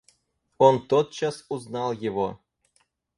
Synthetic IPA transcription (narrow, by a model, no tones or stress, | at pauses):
ont̪ot̪̚t͡ɕɑsuznɑlˠjevo